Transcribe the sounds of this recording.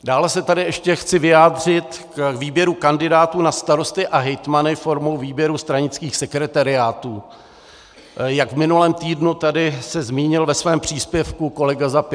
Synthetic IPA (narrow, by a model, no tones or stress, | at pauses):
daːlɛsɛt̪adɪɛʃcɛxt͡sɪvɪjaːd̪r̝ɪt̪kkviːbjɛɾukandɪdaːt̪uːnast̪aɾo̞st̪ɪʔaɦɛjt̪manɪfo̞ɾmowviːbjɛɾust̪ɾaɲɪt͡skiːxsɛkɾɛt̪aɾɪaːt̪uː | jaɡvmɪnulɛːmt̪iːdnut̪adɪsɛzmiːɲɪlvɛsvɛːmpr̝̥iːspjɛfkuko̞lɛɡazap